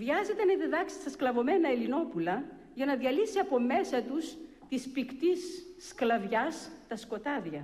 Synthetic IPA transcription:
vʝɐze̞t̪enɐðiðɐksi̥st̪ɐsklɐvo̞me̞nɐelino̞pulɐ | ʝɐnɐðiɐlisiɐpo̞me̞sɐt̪us | t̪ispikt̪isklɐvʝɐst̪ɐsko̞t̪ɐðʝɐ

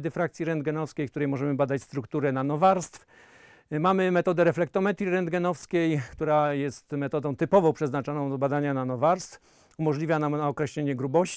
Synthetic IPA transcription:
d̪ɘfɾak̚t̪sʲjiɾɛnd̪̚ɡɛnɔfskʲejkt̪uɾɛjmɔʐɛmɘbad̪at͡ɕst̪ɾukt̪uɾɛnanɔvaɾst̪f | mamɘmɛt̪ɔd̪ɛɾɛflɛk̚t̪ɔmɛt̪ɾʲiɾɛnd̪ɡɛnɔfskʲejkt̪uɾajɛst̪mɛt̪ɔd̪ɔ̃w̃t̪ɘpɔvɔ̃w̃pʂɛznat͡ʂɔnɔ̃w̃d̪bad̪aɲananɔvaɾst̪f | umɔʐlʲivʲjanamaɔkɾɛɕlʲeɲɛɡɾubɔɕt͡ɕ

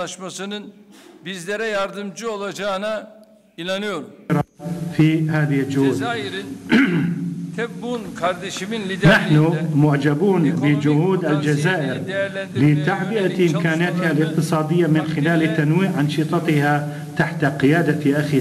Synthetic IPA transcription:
aʃmasɯnɯnbizlʲeɾɛjaɾd̪ɯmd͡ʒɯolˠad͡ʒaːna | inanɯjoɾmɾˤɑfihaːðɪhɪld͡ʒʊhuːd̪ | kʰɾd̪eʃnaħnʊmʊʕd͡ʒabuːnbɪd͡ʒʊhuːd̪ald͡ʒazaːʔɪɾbɪt̪aʕbɪʔaʔɪmkaːnɪjat̪ɪhalʔɪq̚t̪ɨsˤɑːd̪ɪjːamɪnxɪlaːlt̪anwiːʔʕɑnʃit̪ˤɑt̪ɪha | t̪aħt̪aqɪjaːd̪aʔaxi

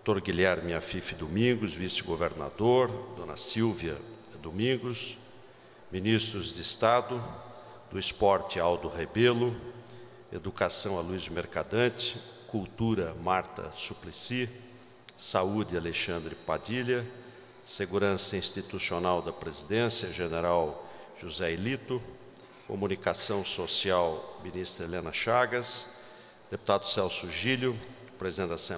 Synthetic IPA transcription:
ot̪oɾɡilɛɾmĩafifɪd̪omĩɡʊzvisɪɡoveɾna̰d̪oɾd̪õnɐ̰siwvjɐ | d̪omĩŋɡʊs | minist̪ɾʊzd̪ɪːst̪ad̪ʊ | d̪̥ʊispɔɾt͡ʃ̪ɪawd̪ʊɦebelʊ | ed̪ukasɐ̃w̃aluizmeɾkad̪ɐ̃t͡ʃɪ̥kuwt̪uɾɐmaɾt̪ɐ̰suplisi | saud̪ɪaleʃɐ̃nd̪ɾɪpad̪iljɐ | seɡuɾɐ̃sɐĩst̪it̪usionawd̪ɐpɾezid̪ẽsjɐʒeneɾaw | ʒ̥uzɛelit̪ʊ | ko̰munikasɐ̃w̃sosiawminist̪ɾɐelẽnɐʃaɡɐs | d̪̥epu̥t̪ad̪ʊsɛwsʊʒiljʊ | pɾezid̪ẽɐsẽ

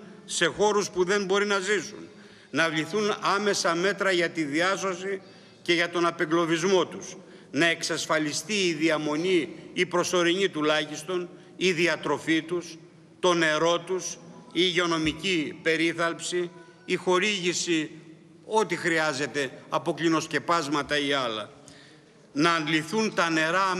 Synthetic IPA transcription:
se̞xo̞ɾuspuðe̞mbo̞ɾinɐzisṵn | nɐvʎiθunɐme̞sɐme̞t̪ɾɐʝɐt̪iðiɐso̞si | ce̞ʝɐt̪o̞nɐpeŋɡlo̞vizmo̞t̪us | nɐe̞ksɐsfɐlist̪iːðiɐmo̞niːpɾo̞so̞ɾiɲit̪ulɐçist̪o̞n | iðiɐt̪ɾo̞fit̪us | t̪o̞ne̞ɾo̞t̪usiːʝeo̞no̞micipe̞ɾiθɐlpsiː | xo̞ɾiʝisi | o̞t̪ixɾiɐze̞t̪e̞ɐpo̞klino̞sce̞pɐzmɐt̪ɐiɐlɐ | nɐːnliθunt̪ɐne̞ɾɐ

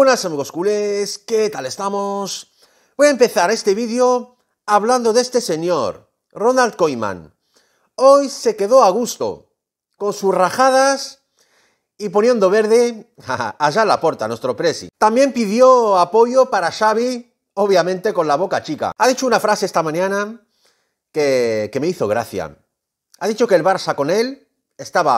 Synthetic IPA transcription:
nasamiɣoskulesket̪ale̞st̪amos | bojaempe̞θaɾe̞st̪e̞βiðjo̞ | aβland̪o̞ðe̞st̪ese̞ɲo̞ɾ | ro̞nalt̪̚kojmã̰n | o̞jse̞ke̞ðo̞aɣ̞ust̪o̞̰ | ko̞nsusraxað̞as | ipo̞nje̞nd̪o̞β̞e̞ɾðe̞ | aaʝalapo̞ɾt̪anwe̞st̪ɾo̞pɾe̞sḭt̪ambje̞mpiðjo̞apo̞ʝo̞paɾaʃaβ̞i | oβjamẽ̞nt̪e̞ko̞nlaβ̞o̞kat͡ʃika̰aðit͡ʃo̞unafɾase̞est̪amãɲãna | keke̞meiθo̞ɣ̞ɾaθja̰ | aðit͡ʃo̞kelβaɾsako̞ne̞l | e̞st̪aβa

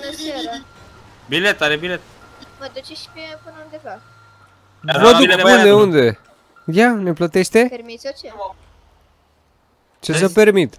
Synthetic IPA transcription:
bnəsaɾə | bilet̪ːaɾebilet̪ | məd̪ut͡ʃeʃpepɨnəund̪epas | əd̪uund̪eund̪e̞ | jane̞plət̪eʃt̪e̞eɾmis | t͡ʃes̬əpermit̪

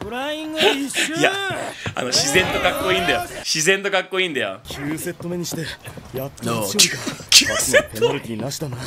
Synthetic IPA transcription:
ɾĩŋɡjaa̰no̞ɕizẽ̞nt̪o̞kakːo̞ĩːnd̪ajoɕizẽ̞nt̪o̞kakːo̞ĩːnd̪ajo̰kʲʰɨːse̞t̪ːomeɲ̟iɕi̥t̪ejat̪ːokʲʰɨasetp̪enoɾit̪ʲiɲinaɕi̥t̪ana

